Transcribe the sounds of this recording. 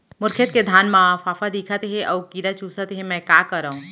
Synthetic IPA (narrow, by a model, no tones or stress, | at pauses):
mʊɾkʰət̪ked̪ʱaːnmãfaːfad̪iːkʰat̪eɦɛ̃ʔɔːkiːɾat͡ʃuːsat̪eɦɛ̃mɛ̃ːkaːkɐɾaːɦũː